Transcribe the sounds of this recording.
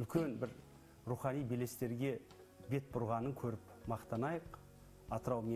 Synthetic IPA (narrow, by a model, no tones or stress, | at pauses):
ʏlkʲʰe̞nbɪɾ | ɾuχɑnijbele̞st̪e̞ɾɡʲe̞ | be̞t̪̚bʊɾʁɑnəŋkʲʰɵɾɪp | mɑqt̪ɑnɑjəq | ɑt̪əɾɑwme